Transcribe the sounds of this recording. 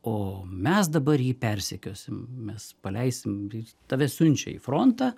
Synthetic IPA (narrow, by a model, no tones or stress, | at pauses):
oːmʲɛsd̪ɐbɐrjiːpʲɛɾʲsʲɛkʲoːsʲɪmmʲɛspɐlʲɛɪsʲɪmɪt̪ɑːʋʲɛsʊnʲt͡ʃʲɛ̰ḭːfɾont̪ɑː